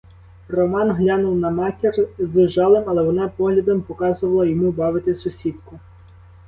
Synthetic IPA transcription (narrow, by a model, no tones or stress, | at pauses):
rɔmɑnɦlʲɑnʊwnɐmɑtʲirzeʒɑlˠɪmɐlˠɛʋɔnɑpɔɦlʲɐd̪ɔmpɔkɑzʊʋɐlˠɐjɔmubɑʋɪt̪ɪsɔsʲip̪kʊ